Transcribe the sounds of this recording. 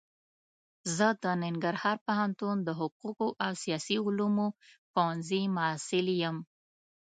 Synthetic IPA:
zəd̪ənɪŋɡaɾhɑɾpahant̪und̪əɦʊquqoʔawsijɑsiʊlumopanzimʊsɪljəm

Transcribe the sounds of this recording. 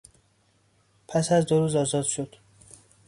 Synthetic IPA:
pʰæsæzd̪oɾuːzɒːzɒːd̪ʃod̪̥

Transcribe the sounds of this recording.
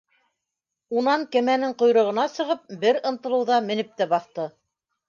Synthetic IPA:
unɑŋkɘ̆mænɘŋqŏjɾɤ̆ʁɤ̆nɑsɤ̆ʁɤp̚bɘɾɤ̆nt̪ɤ̆lˠɤ̆wðɑmɘ̆nɘp̚t̪æbɑθt̪ɤ

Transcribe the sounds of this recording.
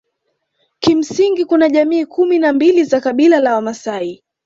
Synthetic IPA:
kim̩siŋɡikunaʄamiːkuminambilizakaɓilalawamasai

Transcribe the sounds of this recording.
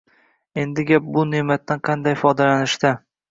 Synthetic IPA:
e̞nd̪ɪɡʲap̚bʊne̞mat̪ːanqʰɑnd̪ajfɒd̪alanɪʃd̪a

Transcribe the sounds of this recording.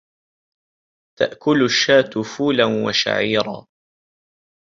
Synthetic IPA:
t̪a̰ʔkʊlʃːaːt̪ʊfuːlanwa̰ʃa̰ʕiːɾˤɑ̰ː

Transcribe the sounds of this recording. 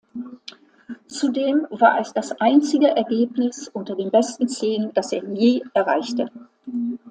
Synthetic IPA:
t͡sudeːmva̰ːɐɛsd̥asʔaɪnt͡sɪɡəʔɛɐɡeːpnɪsʔʊntɐdeːnbɛstn̩t͡seːənd̥aseːɐjeːʔɛɐʁa̰ɪçtə

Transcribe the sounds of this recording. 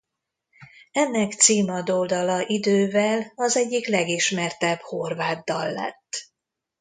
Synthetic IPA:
ɛnːɛkt̪siːmɒd̪old̪ɒlɒʔid̪øːvɛlɒzɛɟːiklɛɡiʃmɛrt̪ɛbho̞rvaːd̪ːɒlːɛ̰t̪ː

